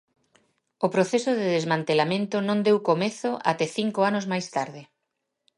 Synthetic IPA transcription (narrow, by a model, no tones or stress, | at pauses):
ʊpɾoθesʊðɪðezmãnt̪elamẽnt̪ʊnõnd̪ewkomeθʊʔa̰t̪ɛθiŋkoanozmajst̪aɾðɪ